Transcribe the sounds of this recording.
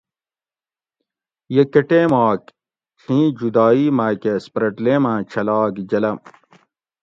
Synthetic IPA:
jɐkɐʈeːmaːk | t͡ɕʰĩːd͡ʑud̪aːiːmaːkespɾɐʈleːmãːt͡ɕʰɐlɑːkd͡ʑɐlɐ

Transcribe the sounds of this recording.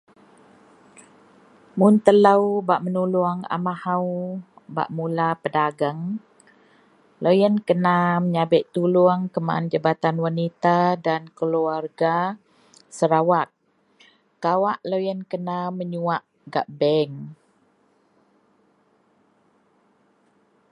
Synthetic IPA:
munt̪ələwbaʔmənuluaŋa̰mahaw | ba̰ʔmulapədaɡaŋ | lojənkənaməɲabɪʔt̪uluaŋkəma̰nd͡ʒabat̪anwanit̪adankəluarɡa | səɾawak̚ | kawaʔlojənkənaməɲuaʔ | ɡaʔbɛŋ

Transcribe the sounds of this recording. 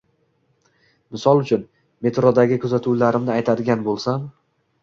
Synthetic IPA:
mɪsɒlˠʊt͡ʃʰʊn | me̞t̪ɾɒd̪aɡʲɪkʰʊzat̪ʰuwlaɾɪmnɪajt̪ʰad̪ɪɡʲanbolˠsam

